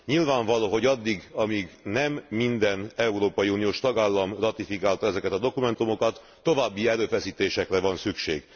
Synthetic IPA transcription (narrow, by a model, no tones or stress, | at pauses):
ɲilvaːɱvɒloːɦo̞ɟɒd̪ːiɡɒmiɡnɛmːind̪ɛnɛuɾoːpɒjiuːnijoːʃt̪ɒɡaːlːɒmrɒt̪ifikaːlt̪ɒɛzɛkɛt̪ɒd̪o̞kumɛnt̪umo̞kɒt̪ːo̞vaːbːiɛɾøːfɛsiːt̪eːʃɛkrɛvɒnsykʃḛːɡ